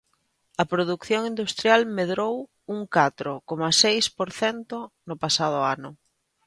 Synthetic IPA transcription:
ɐpɾoðukθjoŋind̪ust̪ɾjalmeðɾow | uŋkat̪ɾʊkomɐsejspoɾθɛnt̪ʊnʊpasað̞ʊanʊ

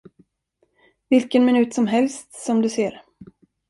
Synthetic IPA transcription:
vɪlkənmɪnʉ̟ːt̪sɔmɦɛlst̪sɔmd̪ɵseːɾ

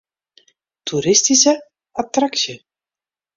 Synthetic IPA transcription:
tʰuɾɪstisə | atraksə

